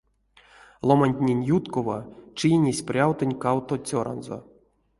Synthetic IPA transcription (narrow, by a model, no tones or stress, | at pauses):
lˠomanʲt̪ʲnʲenʲjut̪kovat͡ʃinʲesʲprʲawt̪ɨnʲkawt̪ot͡sʲoɾʔa̰nzo̰